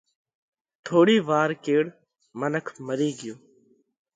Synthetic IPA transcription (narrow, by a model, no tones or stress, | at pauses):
t̪ʰoːɽiːʋaːɾkeːɽ | mənəkʰməɾiːɡɪjoː